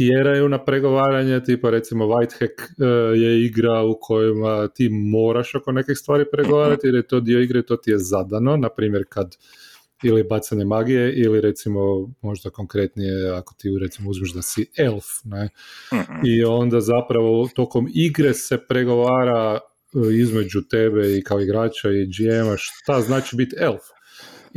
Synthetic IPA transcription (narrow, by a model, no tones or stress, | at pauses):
ijeɾajunapɾe̞ɡo̞ʋaːɾaɲet̪iːpaɾe̞t̪simo̞ʋajt̪xekje̞iɡɾaukʰo̞jimat̪iːmo̞ːɾaʃokone̞kixst̪ʋaːɾipɾeɡo̞ʋaːɾat̪ieɾjet̪o̞d̪io̞iɡɾeit̪o̞t̪ijezad̪ano̞napɾiːmjeɾkad̪ | ilibat̪saɲe̞maɡijeʔiliɾe̞t̪simo̞mo̞ʒd̪akoŋkɾe̞t̪nijeakot̪iɾet̪simouzmiʒd̪asielˠfne | io̞nd̪azapɾaʋo̞t̪o̞ko̞miɡɾe̞se̞pɾeɡo̞ʋaːɾa | izme̞d͡ʒut̪e̞beikaoiɡɾaːt͡ʃaid͡ʒiemaʃtt̪aznaːt͡ʃibit̪elˠf